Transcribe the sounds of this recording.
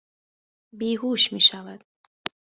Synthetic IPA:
biːɦuːʃmiːʃavad̪

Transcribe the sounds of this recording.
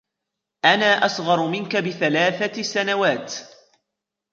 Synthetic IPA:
ʔanaːʔɑsˤɣɑɾˤmɪnkabɪθalaːθasanawaːt̪

